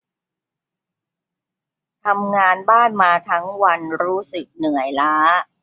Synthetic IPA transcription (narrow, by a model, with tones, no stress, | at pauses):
t̪ʰa˧mŋaː˧nbaː˥˩nmaː˧t̪ʰa˦˥ŋwa˧nɾuː˦˥sɯ˨˩k̚nɯ˨˩əjlaː˦˥